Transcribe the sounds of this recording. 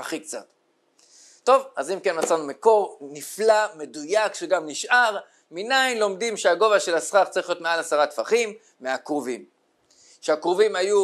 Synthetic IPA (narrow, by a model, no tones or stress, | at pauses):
aχikt͡sa̰t̪ | to̞vazimke̞nmat͡sanumeko̞ʁniflame̞dujakʃeɡamniʃʔaʁ | minajnlo̞mdimʃeaɡo̞vaʃe̞lasχaχt͡saʁiχlijo̞t̪mealasaʁat̪faχimː | eakʁovim | ʃeakʁovimaju